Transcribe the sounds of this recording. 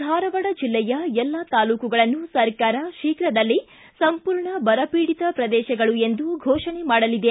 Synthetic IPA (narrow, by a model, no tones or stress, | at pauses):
d̪ʱaːɾɐʋɐɽɐd͡ʒilːɛjɐɛlːɐt̪aːluːkuɡɐɭɐnːusɐɾkaːɾɐʃiːkɾɐd̪ɐlːi | sɐmpuːɾɳɐbɐɾɐpiːɽit̪ɐpɾɐd̪ɛːʃɐɡɐɭue̞nd̪uɡʱɔːʃɐɳemaːɽɐlid̪e